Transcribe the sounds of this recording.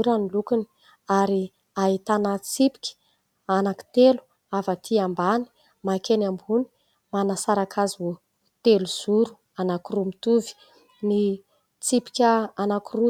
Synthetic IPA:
uɾanilukuni̥ | aɾi | aɦit̪anət͡sipi̥kʲi̥ | anaki̥t̪elu̥ | avat̪ʰiambani̥ | makenambuni̥ | manasaɾakʰazo | t̪eluz̥uɾu̥ | anakiɾumit̪uvi̥ | ni | t͡sipi̥kʲəanakiru

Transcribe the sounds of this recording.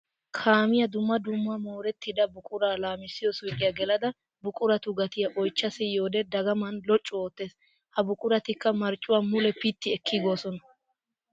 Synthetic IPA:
kʰaːmɪjɐd̪ʊmːɐd̪ʊmːamoːɾɛt̪ːɪd̪ɐbʊkʼʊɾaːlaːmɪsːɪjɔsʊkʼɪjɐɡɛlɐd̪ɐ | bʊkʼʊɾɐt̪ʊɡɐt̪ɪjɐʔɔjt͡ʃːɐsɪjo̞ːd̪ɛd̪ɐɡɐmɐnlɔt͡ʃʼːʊoːt̪ːe̞ːs | hɐbʊkʼʊɾɐt̪ɪkːɐmɐɾt͡ʃʼːʊwaːmʊlɛpit̪ːɪɛkʰːɪɡoːsɔnɐ

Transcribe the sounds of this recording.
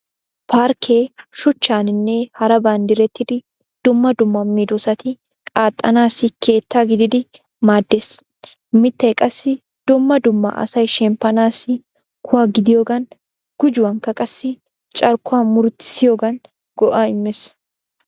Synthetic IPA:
pʰaːɾkʰeːʃʊt͡ʃːaːnɪnːeːhɐɾɐbaːnd̪ɪɾɛt̪ːɪd̪ɪ | d̪̥ʊmːɐd̪ʊmːɐmːid̪ɔsɐt̪ɪ | kʼaːt̪ʼːɐnaːsɪkʰe̞ːt̪ːaːɡɪd̪ɪd̪ɪ | maːd̪ːes | mɪt̪ːɐɛkʼɐsːɪ | d̪̥ʊmːɐd̪ʊmːɐ̰ʔɐ̰sɐjʃɛmpɐnaːsɪ | kʰʊɐɡɪd̪ɪjoːɡɐn | ɡ̥ʊd͡ʒʊwɐŋkɐkʼɐsːɪ | t͡ʃʼɐɾkʊaːmʊɾt̪ɪ̥sɪjoːɡɐn | ɡ̥ɔʔaːɪmːɛs

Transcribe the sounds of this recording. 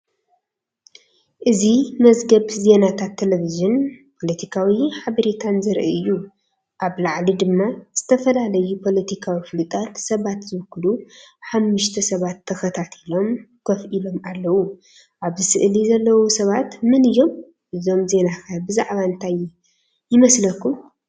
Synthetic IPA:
ʔɨzimɐzɡɐβze̞nat̪ʰat̪ʰːelevizɨnpʰo̞lɐt̪ʰikʰawiħaβɐɾet̪ʰanzɨɾʔɐ̰ɨjːu | ʔaβlaʕlid̪ɨmːaz̥ɨt̪ʰɐfɐlalɐjupʰo̞lɐt̪ʰikʰawifɨlɨt̪ʼat̪sɐβat̪zɨβkːluħamːɨʃt̪ʰɐsɐβat̪ʰːɐxɐt̪ʰat̪ʰilo̞mkʰɐfʔilo̞malːɐwu | ʔaβzɨsɨʔlizɐlːɐwosɐβat̪mɨnɨjːo̞m | ʔɨzo̞mze̞nakʰabɨzaʕβaɨnt̪ʰajː | ɪmɐslɐkːu

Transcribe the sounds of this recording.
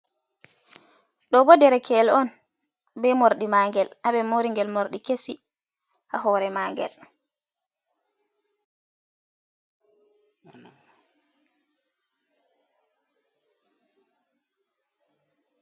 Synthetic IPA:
ɗɔbɔdɛɾɛkʰɛlɔn | bɛmoɾɗimaːŋɡɛlʔabɛmoɾiŋɡɛlmoɾɗikesi | ʔaɦɔɾɛmaːŋɡɛ̰l

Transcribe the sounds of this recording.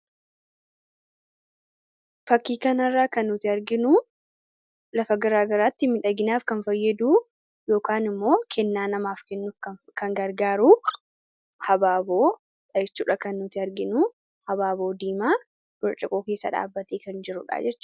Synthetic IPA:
fɐkːiːkɐnɐrːaːkɐnːʊt̪ɪɐɾɡɪnʊ | lɐfɐɡɐɾaːɡɐɾaːt̪ːɪmɪᶑɐɡɪnaːfkɐnfɐjːɐd̪uː | jo̞ːkaːnɪmːo̞ːkʰɛnːaːnɐmaːfkɛnːufkɐ | kɐŋɡɐɾɡaːɾu | hɐbaːbo̞ː | ᶑɐjɛt͡ʃːuːᶑɐkɐnːʊt̪ɪɐɾɡɪnu | hɐbaːbo̞ːd̪iːmaː | ɡ̥ɔt͡ʃʼɪkʼoːke̞ːsːɐ̰ᶑa̰ːbːɐt̪eːkɐnd͡ʒɪɾʊᶑa̰ːd͡ʒɛt͡ʃː

